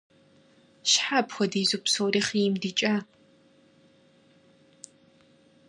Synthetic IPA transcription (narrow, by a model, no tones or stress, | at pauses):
ʃħapxʷɔdiːzupsoːɾiːχimdɨt͡ʃʼa